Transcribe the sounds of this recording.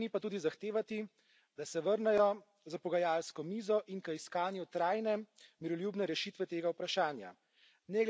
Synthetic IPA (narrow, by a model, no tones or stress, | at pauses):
nipat̪uːd̪izaxt̪eːʋat̪i | d̪asɛʋəɾnɛjɔ | zapɔɡajaːlskɔmiːzɔʔinkəiskaːnjut̪ɾaːjnɛmiɾɔljubnɛɾɛʃiːt̪ʋɛt̪eːɡaupɾaʃaːnja̰ | nɛɡl